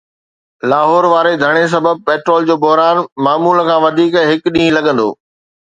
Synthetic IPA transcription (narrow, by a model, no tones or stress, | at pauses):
laːɦɔːɾʋaːɾed̪ʱɐɽ̃es̬ɐbəb̚peːʈɾoːld͡ʑoːbʊɦɾaːnmaːmuːlkʰãːʋɐd̪ʱiːkɦɪkɗĩːɦlɐɠə̃nd̪o̰ː